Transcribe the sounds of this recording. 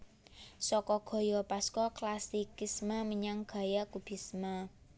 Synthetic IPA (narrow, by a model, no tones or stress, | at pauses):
sɔkɔɡ̥ɔ̤jɔpaskɔklasikismamiɲaŋɡ̥a̤jakub̥i̤sma